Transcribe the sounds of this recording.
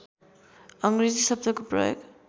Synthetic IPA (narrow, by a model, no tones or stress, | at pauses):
ʌŋɡɾizisʌb̚d̪ʌkoprʌ̰jo̰ɡ